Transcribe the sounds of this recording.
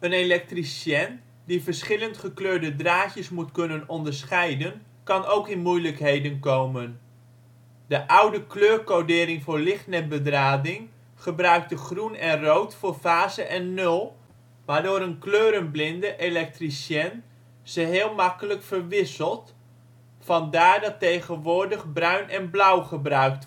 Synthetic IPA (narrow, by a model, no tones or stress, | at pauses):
ənelɛk̚trisjɛn | divəɹsχɪləntχəkløːɹdədraːcəsmutkɵnənɔndəɹsχɛjdən | kɑnowkɪnmujləkɦejdənkowmən | dəʔʌwdəkløːɹkodɪːɾɪŋvʊːɹlɪχtnɛbədraːdɪŋ | χəbrœɥk̚təχrunɛnrowtfʊːɹvaːzəʔɛnːɵlˠ | ʋaːɹdʊːɾənkløːɾənblɪndəʔelɛk̚trisjɛn | z̥əɦɪːlˠmɑkələkfəɹʋɪsəlˠt | fɑndaːɹdɑtejχənʋʊːɹdəχbrœɥnʔɛnblʌwχəbrœɥkt